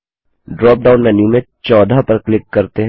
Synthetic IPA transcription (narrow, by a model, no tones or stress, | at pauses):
ɖɾɔːp̚ɖaːʊnːɛnijũmẽ | t͡ʃɔːd̪ʱapɐɾklɪkːɐɾt̪eɦ